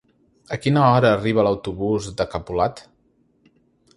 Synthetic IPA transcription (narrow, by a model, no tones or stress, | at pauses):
əkinəɔɾəːriβ̞ələwt̪uβuzd̪əkəpulat̪